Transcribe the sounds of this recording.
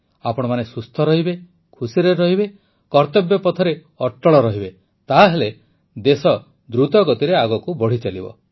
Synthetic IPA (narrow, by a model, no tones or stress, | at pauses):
apɔɽ̃ɔmanesust̪ʰɔɾɔɦibe | kʰusiɾeɾɔɦibe | kɔɾt̪ɔbjɔpɔt̪ʰɔɾe | ɔʈːɔɭɔɾɔɦibe | t̪aɦele | d̪esɔ | d̪ɾut̪ɔɡɔt̪iɾeaɡɔkubɔɽ̤it͡ʃalibɔ̰